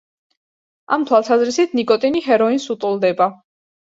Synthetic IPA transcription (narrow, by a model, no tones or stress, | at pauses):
a̰mt̪ʰwalˠsazɾisit̪ʰnikʼɔt̪ʼiniɦɛɾɔinsut̪ʼulˠd̪ɛba